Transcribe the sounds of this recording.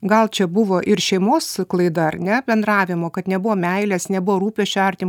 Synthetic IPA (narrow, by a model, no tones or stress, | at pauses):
ɡɐlˠt͡ʃʲɛbʊʋoːʔɪɾʃʲɛɪmoːsklˠɐɪd̪ɐɐrnʲɛbʲɛnd̪rɑːʋʲɪmoːkɐt̪nʲɛbʊʋoːmʲɛɪlʲeːsnʲɛbʊʋoːɾuːpʲeʃʲt͡ʃʲɐɾʲt̪ʲim